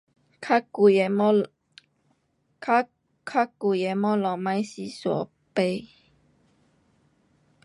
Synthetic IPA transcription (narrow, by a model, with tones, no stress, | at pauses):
kʰa˦u˨ | kʰa˦ | kʰa˦˥ku˨˩je˨˩mɔ˦lɔ˨˩mã˧˦jsi˧˩sɔ̰˨˦ | pe˧˩